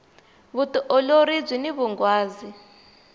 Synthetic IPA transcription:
βutuʔɔloɾid͡zwiniβuŋɡwaːzi

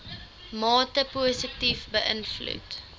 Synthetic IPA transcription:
mɑːtəpuəsətifbəʔənflṵt

